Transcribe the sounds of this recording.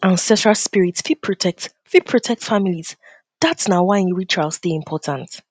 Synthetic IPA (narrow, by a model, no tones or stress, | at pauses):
ãnsɛstɹalspiɹitsfid̚pʰɹ̥ɔtʰɛk̚t | fipʰɹ̥ɔtʰɛk̚tfamiliz̥ | ðatsnaʊwaɪ̃nɹitʰɹasðiɪ̃mpʰɔtʰãnt